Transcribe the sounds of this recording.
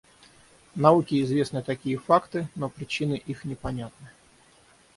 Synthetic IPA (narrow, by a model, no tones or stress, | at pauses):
nɐukʲɪɪzvʲe̞snɨt̪ɐkʲijəfakt̪ɨnopɾʲɪt͡ɕinɨʔixnʲɪpɐnʲat̪nɨ